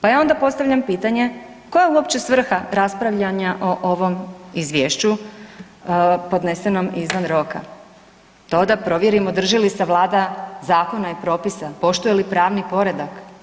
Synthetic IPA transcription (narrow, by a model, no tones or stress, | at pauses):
pajaːo̞nd̪apo̞tst̪aʋʎampiːt̪aɲe̞ | ko̞jeuo̞pt͡ɕe̞sʋr̩xaɾaspɾaʋʎaɲaʔo̞ʔoʋo̞mizʋjeʃt͡ɕu | po̞d̪ne̞se̞no̞mizʋanɾo̞ka̰ | t̪o̞d̪apɾo̞ʋjeɾimod̪r̩ʒilisaʋlˠaːd̪azaːko̞naipɾo̞ːpisapo̞ʃt̪uje̞lipɾaːʋnipo̞ɾe̞d̪ak